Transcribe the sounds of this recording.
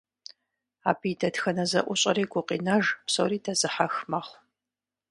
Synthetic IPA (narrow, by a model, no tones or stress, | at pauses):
aːpʰiːdɐtxɐnɐzɐʔʷʊɕʼɐɾiːɡʷʊqḭːnɐʒpso̰wɾiːdʰɐzɨħaxmaχʷ